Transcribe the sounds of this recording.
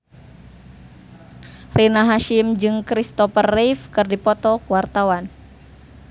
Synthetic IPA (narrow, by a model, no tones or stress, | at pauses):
rinaɦaʃimd͡ʒɨŋkɾist̪ɔfərːifkɨrdipɔt̪ɔkuwart̪awan